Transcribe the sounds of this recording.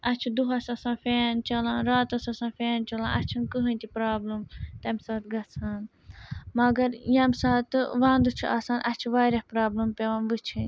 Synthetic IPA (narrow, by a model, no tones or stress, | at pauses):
ɐt͡ʃʰid̪uɦɐsɐsãːfeːnt͡ʃɐlãːnɾaːt̪ɐsɐsãːnfeːnt͡ʃɐlã̰ːʔɐ̰t͡ʃʰinkɨɦɨ̃nʲt̪ipɾaːblɨmt̪ɐmsaːt̪ɡɐt͡sʰaːn | mɐɡɐɾjɐmsaːt̪ɨʋãːnd̪ut͡ʃʰiʔaːsaːnʔɐt͡ʃʰiʋaːɾɐhpɾaːblɨmpeʋãːnʋɨt͡ʃʰin